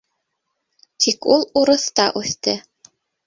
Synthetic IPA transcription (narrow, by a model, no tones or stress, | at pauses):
t̪ʰikulˠuɾɤ̆θt̪ɑʔʉθt̪ɘ